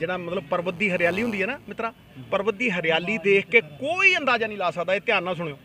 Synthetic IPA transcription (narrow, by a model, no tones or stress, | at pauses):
d͡ʒɪɽ̃ãːmət̪ləb̚pəɾbət̪̚d̪iːɦəɾɪjaːliːʊ̃nd̪iːɛːnaːmɪt̪ɾaː | pəɾbət̪̚d̪iːɦəɾɪjaːliːd̪eːkʰkeːkoːiːənd̪aːd͡ʒaːnĩːlaːsad̪aːeːt̪ɪjaːnːãːs̬ʊɽ̃eːoː